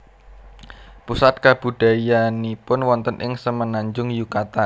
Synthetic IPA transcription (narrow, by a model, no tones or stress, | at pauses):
pusat̪̚kab̥ṳɖ̥a̤ijanipʊnwɔnt̪ənʔɪŋsəmənaɲd͡ʒʊŋjukat̪an